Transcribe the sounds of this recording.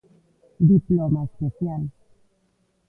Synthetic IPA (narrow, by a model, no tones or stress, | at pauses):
d̪iplomasosjal